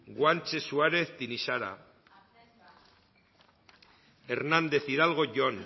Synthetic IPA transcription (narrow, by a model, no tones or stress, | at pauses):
ɡwant͡ʃesuaɾe̞θt̪inisaɾa̰ | eɾnand̪e̞θiɾalɣo̞ʝoan